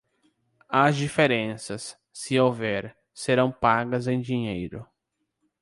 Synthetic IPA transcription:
ɐzd͡ʒifeɾẽsɐsː | ɪowvɛɾ | seɾɐ̃w̃paɡɐzẽj̃d͡ʒiɲejɾʊ̰

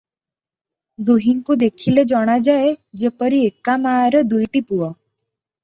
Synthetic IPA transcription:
d̪uɦiŋkud̪ekʰiled͡ʑɔɽ̃ad͡ʑaed͡ʑepəɾiekːamaɾəd̪ujʈipuɔ

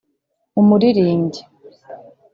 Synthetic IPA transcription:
umuɾiɾiːɲɟi

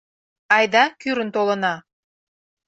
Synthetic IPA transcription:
ɑjd̪ɑkyɾə̆nt̪olənɑ

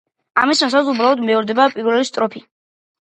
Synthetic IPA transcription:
a̰misasazubɾalˠɔd̪mɛɔɾd̪ɛbapʼiɾvɛlist̪ʼɾɔpʰi

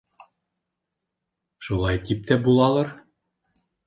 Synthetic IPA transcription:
ʃulˠɑjt̪ip̚t̪æbulˠɑlˠɤɾ

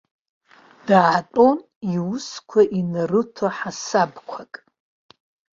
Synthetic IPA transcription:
d̥aʕtʼo̞n | iwʊskʷʰaʔinɨrɨtʰaħasabkʷʰakʼ

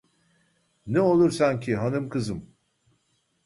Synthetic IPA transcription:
nɛo̞lˠuɾsancʰiɦanɯmkʰɯzɯm

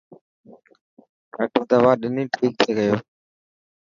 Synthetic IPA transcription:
ɾəʈəd̪əʋaːɗɪnĩːʈʰiːk̚t̪ʰeːɡəjoː

